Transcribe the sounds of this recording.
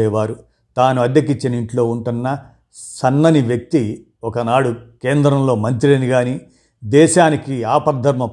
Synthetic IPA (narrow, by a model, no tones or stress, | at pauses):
ɛːʋaːɾu | t̪aːnuɐd̪jɐk̬it͡ʃːɐniɳʈlo̞ːuɳʈunːɐ | sɐnːɐniʋjɐk̚t̪i | ɔkɐnaːɽukeːnd̪ɾɐmlo̞ːmɐnt̪ɾieniɡaːni | d̪ɛːʃaːnikiaːpɐɾd̪ʱɐɾmɐ